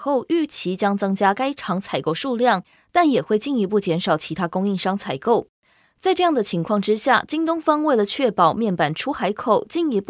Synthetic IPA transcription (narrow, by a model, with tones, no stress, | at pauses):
xo˥˧ʊy˥˩t͡ɕʰi˧˥t͡ɕjɑ˥ŋt͡sɤ˥ŋt͡ɕja˥ka˥ɪʈ͡ʂʰɑ˧˥ŋt͡sʰa˨˩ɪko˥˧ʊʂu˥˧ljɑ˥˩ŋ | t̪a˥˩njɛ˨˩xwe˥˧ɪt͡ɕi˥˩ni˧˥p̬u˥˩t͡ɕjɛ˧˥nʂɑ˨˩ʊt͡ɕʰi˧˥t̪ʰa˥kʊ˥ŋi˥˩ŋʂɑ˥ŋt͡sʰa˨˩ɪko˥˩ʊ | t͡sa˥˧ɪʈ͡ʂɤ˥˧jɑ˥˩ŋd̪ə˩t͡ɕʰi˧˥ŋkʰwɑ˥˩ŋʈ͡ʂɻ̩˥ɕja˥˩t͡ɕi˥ŋt̪ʊ˥ŋfɑ˥ŋwe˥˩ɪlə˩t͡ɕʰɥɛ˥˩pɑ˨˩ʊmjɛ˥˩npa˨˩nʈ͡ʂʰu˥xa˧˥ɪkʰo˨˩ʊt͡ɕi˥˩ni˧˥p